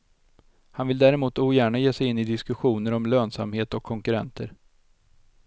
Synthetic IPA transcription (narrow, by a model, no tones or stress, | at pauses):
hanvɪld̪æːɾɛmuːt̪uːjæːɳajeːsɛjɪnːɪd̪ɪskɵɧuːnəɾɔmløːnsa̰mheːt̪ɔkʰːɔŋkɵɾɛ̰nt̪ʰəɾ